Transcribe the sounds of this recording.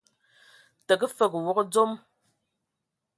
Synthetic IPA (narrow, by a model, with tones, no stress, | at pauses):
tə˨k̬ə˦fə˨kwɔ˦kd͡zo˦m